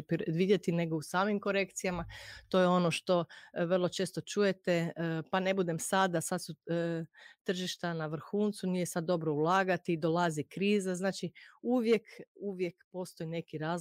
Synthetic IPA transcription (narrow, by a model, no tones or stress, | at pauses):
pd̪ʋid̪ʲjet̪ine̞ɡousaːmimko̞ɾe̞kt̪sijamat̪o̞jeo̞noʃt̪o̞ʋr̩lˠo̞t͡ʃe̞ːst̪o̞t͡ʃuje̞t̪epane̞bud̪e̞msad̪asad̪su | t̪r̩ʒiʃt̪anaʋr̩xuːnt̪sunijesad̪̚ːo̞bɾo̞ulˠaːɡat̪iːd̪o̞lazikɾiːzaznaːt͡ʃiuʋje̞kuʋje̞kpo̞st̪o̞jine̞kiɾaːz